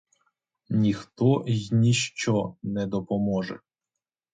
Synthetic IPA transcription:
nʲixt̪ɔjnʲiʃt͡ʃɔnɛd̪ɔpɔmɔʒɛ̰

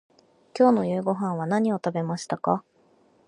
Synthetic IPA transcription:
kʲo̞ːno̞jɯ̟ːɡo̞ɦãɰ̃β̞anaɲ̟io̞t̪abe̞maɕi̥t̪aka

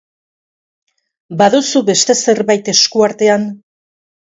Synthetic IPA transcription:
baðusuβe̞st̪e̞se̞ɾβajt̪e̞skuaɾt̪e̞an

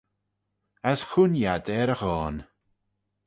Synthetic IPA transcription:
asxʊnjadɛːɾəxɔːn

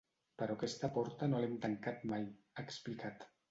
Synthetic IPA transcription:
pəɾɔkɛst̪apɔɾt̪anolemt̪aŋkat̪maj | əksplikat̪

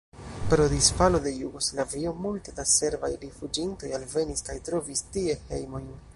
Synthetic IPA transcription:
pɾo̞disfalo̞de̞juɡo̞slavio̞multe̞dase̞ɾvajɾifud͡ʒinto̞jalve̞niskajtɾo̞vistie̞he̞̰jmo̞jn

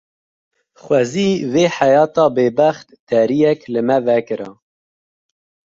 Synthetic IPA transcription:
xwɛziːveːħajɑːt̪ɑːbeːbæχt̪ːɛɾijɛklɨmɛvɛkɨɾɑ̰

